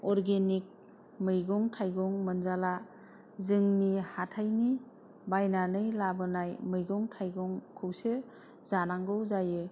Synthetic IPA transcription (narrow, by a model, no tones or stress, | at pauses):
ɔɾɡenik̚ | mɯjɡɔŋtʰajɡɔŋmɯnzala | zɯŋnihatʰajni | bajnanɯjlabɯnajmɯjɡɔŋtʰajɡɔŋkʰɯwsɯ | zanaŋɡɯwzajɯ